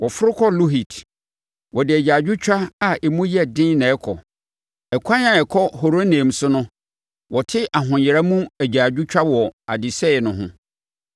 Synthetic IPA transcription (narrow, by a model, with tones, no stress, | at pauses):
wʔɔ˨fʊ˦ɾʊ˦kʰɔ˦lu˦ɦi˨tʰ | wʔɔ˨dɪ˨æ˨d͡ʑaː˨d͡ʑᶣʊ˦t͡ɕᶣa˦a˨ʔɛ˨mũ˦jɛ˦dɪ̃˦nɛ̃˨ɛ˦kʰɔ̰˨ | ɛ˨kʷʰã˦nã˨ɛ˨kʰɔ˦ho˨ɾo˦nẽ˨m̩˨sʊ˦nʊ̃˦ | wɔ˨tʰɪ˦ʔa˨ɦʊ̃˨jɛ˨ɾa˦mũ˦æ˨d͡ʑaː˨d͡ʑᶣʊ˦t͡ɕᶣa˦wɔ˨a̰˨dɪ˨sɛ˦˨nʊ̃˨ɦʊ̰̃˦